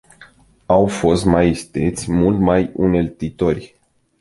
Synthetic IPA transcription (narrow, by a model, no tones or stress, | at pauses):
awfo̞st̪maist̪ḛt̪sʲmult̪majune̞lt̪it̪o̞rʲ